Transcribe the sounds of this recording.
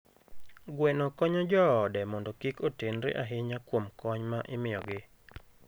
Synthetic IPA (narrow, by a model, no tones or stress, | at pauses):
ɡwɛnɔkɔɲɔd͡ʒɔːdɛmɔndɔkikotenɾɪ̰ʔaɦɪɲakwomkɔɲmaʔɪmɪɔɡɪ